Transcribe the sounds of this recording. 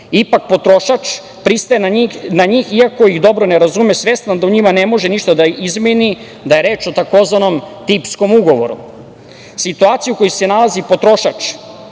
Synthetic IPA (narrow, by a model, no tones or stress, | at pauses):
ipak̚po̞t̪ɾoʃat͡ʃ | pɾist̪ajenaɲiːxiako̞iɣd̪o̞bɾo̞neɾazumesʋe̞st̪nand̪auɲimane̞mo̞ʒeniʃt̪ad̪aizmini | d̪aje̞ɾe̞ːt͡ʃo̞t̪ako̞zʋano̞mt̪iːpsko̞muɡo̞ʋo̞̰ɾṵ | sit̪uaːt̪sijuko̞juse̞nalazipo̞t̪ɾo̞ʃat͡ʃ